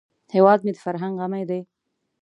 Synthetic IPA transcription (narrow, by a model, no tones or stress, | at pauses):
hewɑːd̪̚med̪əfaɾɦaŋɡʁamajd̪aj